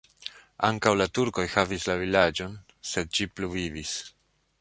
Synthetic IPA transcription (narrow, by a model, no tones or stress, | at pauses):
a̰ŋkawlatuɾko̞jhavislavilad͡ʒo̞n | se̞d̪̚d͡ʒipluvivis